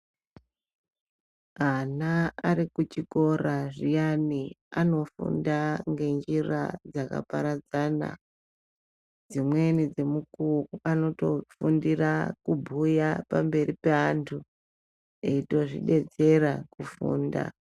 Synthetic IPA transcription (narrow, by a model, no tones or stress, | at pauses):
anaːɾikut͡ʃiko̞raʐijaniano̞fṵndaŋɡe̞nd͡ʒira̰d͡zaka̰pa̰ɾad͡zana̰ | d͡zimwe̞nid͡ze̞mukuruano̞to̞̰fundirakubʱujapambe̞ɾipeantʰu | eito̞ʐḭɗe̞d͡ze̞ɾakufṵːnda̰